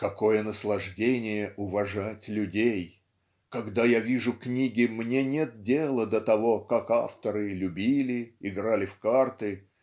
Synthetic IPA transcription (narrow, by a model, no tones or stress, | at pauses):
kɐko̞jənəslˠɐʐdʲenʲɪjəʔʊvɐʐatʲlʲʉdʲej | kɐɡd̪ajavʲiʐʊknʲiɡʲɪmnʲenʲet̪̚dʲelˠəd̪ət̪ɐvo̞kaka̰ft̪əɾɨlʲʉbʲilʲɪɪɡɾalʲɪfkart̪ɨ